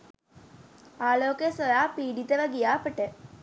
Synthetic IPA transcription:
aːloːkəjəsʋɐjaːpiːɖit̪əʋəɡijaːpəʈə

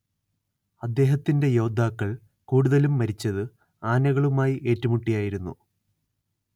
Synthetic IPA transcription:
ɐd̪ːe̞ːɦɐt̪ːinde̞jo̞ːd̪ʱaːkːɐɭ | kuːɽuðɐlumːɐɾit͡ɕːɐðɨ | aːnɐɣɐɭumaːjiʔe̞ːtːɐmuʈːijaːjiɾunːṵ

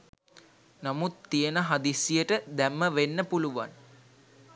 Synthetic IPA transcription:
namut̪ːijənəɦad̪isijəʈəd̪æmːəʋenːəpuluʋa̰n

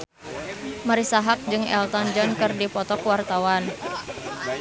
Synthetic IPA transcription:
maɾisaɦak̚d͡ʒɨŋɛ̰lt̪ɔnd͡ʒɔnkɨrdipɔt̪ɔkwart̪awan

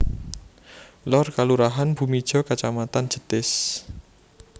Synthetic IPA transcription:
lɔrkaluɾaɦanb̥ṳmid̥ʒ̥ɔ̤kat͡ʃamat̪an̥ʒ̥ə̤t̪ɪs

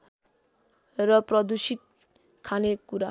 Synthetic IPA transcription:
rʌprʌd̪usit̪̚ | kʰanekuɾa

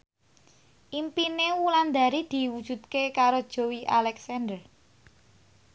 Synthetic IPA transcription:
ʔimpinewuland̪a̤ɾid̪̥i̤wud̥ʒ̥ṳt̪̚kekaɾod̥ʒ̥o̤wiʔalɛksɛnd̪ər

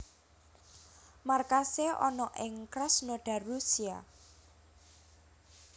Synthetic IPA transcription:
markaseʔɔ̰nɔʔɪŋkɾasnoɖ̥ä̤rːusia̰

